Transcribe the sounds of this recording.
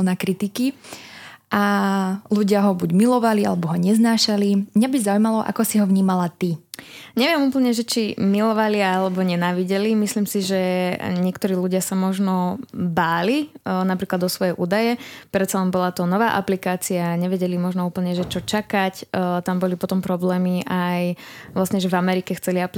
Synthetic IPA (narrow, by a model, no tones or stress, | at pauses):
nakɾit̪iki | ʔaluɟɪaɦɔbuɟmilɔʋalia̰lɛbɔɦɔɲɛznaːʃalimɲabizaujmalɔʔa̰kɔsiɦɔʋɲiːmalat̪iɲɛʋɪɛmuːpl̩ɲɛʒɛt͡ʃimilɔʋaliaalɛbɔɲɛnaːʋiɟɛlimisliːmsiʒɛɲɪɛkt̪ɔɾiːluɟɪasamɔʒnɔbaːlinapɾiːklad̪ɔsʋɔjɛʔuːd̪ajɛpɾɛt̪t͡salɛnbɔlat̪ɔnɔʋaːʔa̰plikaːt͡siaɲɛʋɛɟɛlimɔʒnɔuːpl̩ɲɛʒɛt͡ʃɔt͡ʃakact̪ambɔlipɔt̪ɔmpɾɔblɛːmiʔajʋlasɲɛʒɛvamɛɾikɛxt͡sɛliapli